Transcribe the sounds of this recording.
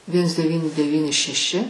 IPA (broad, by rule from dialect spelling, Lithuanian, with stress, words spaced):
ˈʋʲiɛns dʲɛˈʋʲiːnʲɪ dʲɛˈʋʲiːnʲɪ ʃʲɛˈʃʲɪ